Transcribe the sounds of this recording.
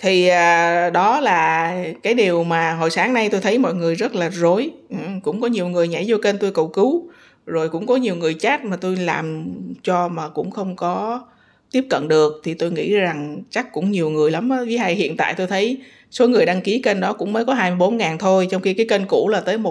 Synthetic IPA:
t̪ʰi˨˩ʔaː˨˩ɗɔ˨˦laː˨˩kaː˨˦jɗi˨˩əwmaː˨˩ɦo˨˩jsaː˨˦ŋna˧jt̪o˧jt̪ʰə˨˦jmɔ̰˧˨jŋɨ˨˩əjzə˦˥t̚laː˨˩zo˨˦jʔkʊ̰˧˥ŋ͡mkɔ˨˦ɲi˨˩əwŋɨ˨˩əjɲa˧˩jzo˧ke˧nt̪o˧jkə˨˩wkɨ˨˦w | zo˨˩jkʊ̰˧˥ŋ͡mkɔ˨˦ɲi˨˩əwŋɨ˨˩əjt͡ɕaː˦˥t̚maː˨˩t̪o˧jla̰ː˨˩mt͡ɕɔ˧maː˨˩kʊ̰˧˥ŋ͡mxə˧wŋ͡mkɔ˨˦ | t̪i˦˥əp̚kə̰˧˨nɗɨ˨˩ək̚t̪ʰi˨˩t̪o˧jŋḭ˧˥za˨˩ŋt͡ɕa˦˥kːʊ̰˧˥ŋ͡mɲi˨˩əwŋɨ˨˩əjla˨˦mː˨˦və˨˦ɦaː˧jhḭ˧˨ənt̪a̰ː˧˨jt̪o˧jt̪ʰə˨˦j | so˨˦ŋɨ˨˩əjɗaː˧ŋki˨˦ke˧nɗɔ˨˦kʊ̰˧˥ŋ͡mməː˨˦jkɔ˨˦ɦaː˧jmɨ˧jɓo˨˦nŋaː˨˩nt̪ʰo˧jt͡ɕɔ˧wŋ͡mxi˧kaː˨˦jke˧nkṵ˧˩laː˨˩t̪əː˨˦jmo˨˩

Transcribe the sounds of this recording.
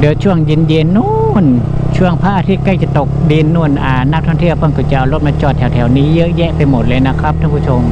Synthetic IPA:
dɯ˨˩˦t͡ɕʰu˥˩əŋji˧˥nje˧nːu˧˩nt͡ɕʰu˥˩əŋpʰa˦˥ʔaː˧t̪ʰi˦˥ka˧˩jt͡ɕa˨˧˩t̪o˨˩k̚di˧nːu˧˩ənʔaː˧˩na˦˥k̚t̪ʰɔː˧˥˩ŋt̪i˥˩pʰɤ˧˩˨ŋkʰɔ˧˩t͡ɕa˨˩ʔa˨˩wlo˧˥˩p̚maː˧t͡ɕɔː˧˩t̪ʰɛː˨˩˦wt̪ʰɛː˩˦wniː˦˥jɤ˦˥ʔjɛ˦˥ʔpa˧jmo˨˩t̪̚lɤː˧jna˦˥˩kʰɾa˦˥p̚tʰa˧ŋpʰuː˧˩t͡ɕʰo˧m

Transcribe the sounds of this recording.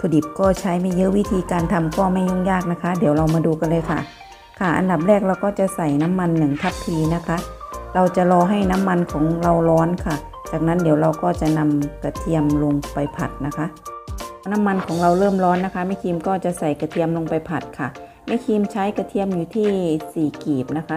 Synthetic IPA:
t̪ʰoː˧˩di˨˩p̚kɔː˥˩t͡ɕʰa˦˥jma˥˩jɤ˦˧˥ʔwi˦˥t̪ʰiː˧kaː˧nt̪ʰa˧mkɔː˧˩ma˥˩jɲu˧˥˩ŋjaː˥˩k̚na˦˥kʰa˦˥diː˨˩˦wɾa˧wmaː˧duː˧ka˧nlɤː˧jkʰa˧˩ | kʰa˧˩ʔa̰˧nda˨˩p̬̚ɾɛː˥˩k̚ɾa˧wkɔː˥˩t͡ɕa˧˨sa˨˩jna˦˥mːa˧nːɯ˨˩ŋt̪ʰa˦˥pʰːiː˧na˦˥kʰa˦˥ʔɾa˧wt͡ɕa˨˩˨lɔː˧ɦa˥˩jna˦˥mːa˧nkʰɔː˩˦ŋɾa˧wlɔː˦˥nkʰa˧˩ | t͡ɕaː˨˩k̚na˦˥ndiː˨˩˦wɾa˧wkɔː˧˥˩t͡ɕa˨˧˩na˧mka˧˩t̪ʰi˧əmlo˧ŋpa˨˩jpʰa˨˩t̪̚na˦˥kʰa˦˥ʔ | na˦˥mːa˧nkʰɔː˨˩˦ŋɾa˧wlɤː˥˩mlɔː˦˥nːa˦˥kʰa˦˥ma˥˩jkʰiː˧mkɔː˧˩t͡ɕa˨˧˨sa˨˩jka˧˩t̪ʰi˧əmlo˧ŋpa˨jpʰa˨˩t̪̚kʰa˧˩ | ma˧˥˩jkʰiː˧mt͡ɕʰa˦˥jka˧˩t̪ʰi˧əmjuː˧˩t̪ʰiː˥˩siː˨˩kiː˨˩p̚na˦˥kʰa˦˥

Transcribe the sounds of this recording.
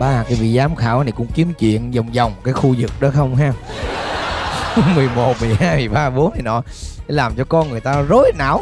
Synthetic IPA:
ɓaː˧kaː˨˦jvḭ˧˨zaː˨˦mxaː˧˩wna˨˩jkʊ̰˧˥ŋ͡mki˨˦əmt͡ɕwḭ˧˨ənzwŋ͡mzɔ˨˩wŋ͡mkaː˨˦jxu˧zɨ˨˩k̚ɗɔ˨˦xə˧wŋ͡mɦaː˧ | mɨ˨˩əjmo˨˩t̚mɨ˨˩əjhaː˧jmɨ˨˩əjɓaː˧ɓo˨˦na˨˩jnɔ̰˧˨˦ | laː˨˩mt͡ɕɔ˧kɔ˧nŋɨ˨˩əjt̪aː˧zo˨˦jna̰ː˧˩w

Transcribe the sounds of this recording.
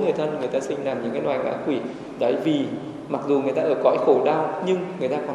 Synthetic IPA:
ŋɨ˨˩əjt̪ʰə˧nŋɨ˨˩əjt̪aː˧sï˧ŋ̟laː˨˩mɲɨ̰˧˥ŋkaː˨˦jnwaː˨˩jŋʔa̰ː˧˥kwi˧˩ | ɗə˧˩jvi˨˩ | ma˨˩k̚zu˨˩ŋɨ˨əjt̪aː˧ʔəː˧˩kɔ̰˧˥˨jxo˧˩ɗaː˧wɲɨ˧ŋŋɨ˨˩əjt̪aː˧kɔ˨˩

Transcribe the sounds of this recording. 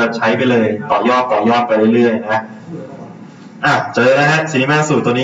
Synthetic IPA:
a˧˩t͡ɕʰa˦˥jpa˧jlɤː˧jt̪ɔː˨˩jɔː˥˩t̪̚t̪ɔː˨˩jɔː˥˩t̪̚pa˧jɾɯ˥˩ɾɯ˥˩əjna˦˥ | ʔaː˧˩t͡ɕaː˨˩˧la˦˥ɦa˦˥ʔsi˨˩ni˦˥maː˧˥˩suː˨˩t̪ːu˧niː˦˥

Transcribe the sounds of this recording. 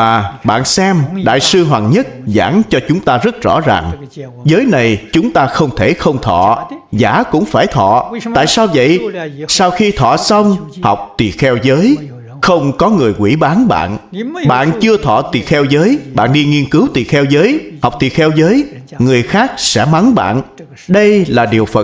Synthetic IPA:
aː˨˩ɓa̰ː˧˨nsɛ˧mɗa̰ː˧˨jsɨ˧ɦwa˨˩nɲə˦˥t̚za̰ː˧˩˥nt͡ɕɔ˧t͡ɕʊ˨˦ŋ͡mt̪aː˧zə˦˥t̚z̥ɔ̰˧˥zaː˨˩ŋ | zəː˨˦jna˨˩jt͡ɕʊ˨˦ŋ͡mt̪aː˧xə˧wŋ͡mt̪ʰe˧˩xə˧wŋ͡mt̪ʰɔ̰˧˨zaː˨˩˦kʊ̰˧˥ŋ͡mfaː˧˩jt̪ʰɔ̰˧˨t̪a̰ː˧˨jsaː˧wvə̰˧˨jsaː˧wxi˧t̪ʰɔ̰˧˨sə˧wŋ͡mha˨˩wk͡p̚t̪i˨˩xɛ˧wzəː˨˦j | xə˧wŋ͡mkɔ˨˦ŋɨ˨˩əjkwḭ˧˩ɓaː˨˦nɓa̰ː˧˨nɓa̰ː˧˨nt͡ɕɨ˧ət̪ʰɔ̰˧˨t̪i˨˩xɛ˧wzəː˨˦jɓa̰ː˧˨nɗi˧ŋi˧ənkɨ˨˦wt̪i˨˩xɛ˧wzəː˨˦jha˨˩wk͡p̚t̪i˨˩xɛ˧wzəː˨˦jŋɨ˨˩əjxaː˦˥k̚sɛ̰˧˥ma˨˦nɓa̰ː˧˨n | ɗə˧jlaː˨˩ɗi˨˩əwfə˨˩

